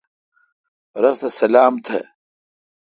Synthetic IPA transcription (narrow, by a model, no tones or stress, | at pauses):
ɾɐst̪ɐsɐlaːmt̪ʰḛ